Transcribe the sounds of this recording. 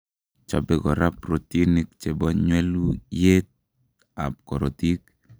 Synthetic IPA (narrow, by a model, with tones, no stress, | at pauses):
t͡ʃa̰bɛɡɔ˨ɾʔapɾot̪i˦nik̚t͡ʃɛ˨bɔ˦ɲwɛ˦lujet̪̚ | a̰˨p̚kɔ˨ɾo˨t̪i˦k